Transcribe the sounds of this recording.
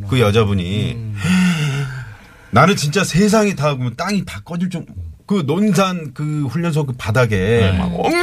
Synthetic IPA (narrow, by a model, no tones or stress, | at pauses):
kɯjʌd͡ʑabuɲi | nanɯnt͡ɕint͡ɕ͈asʰe̞s̬ʰaŋitaɯɡomjʌnt͈aŋitak͈ʌd͡ʑiɭt͡ɕ͈omkɯnonsʰankɯɸuʎːʌns̬ʰoɡɯpadaɡe̞̰